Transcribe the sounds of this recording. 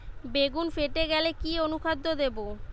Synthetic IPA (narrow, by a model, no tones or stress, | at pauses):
beɡunfeʈeɡɛlekionukʰad̪ʱːod̪ebo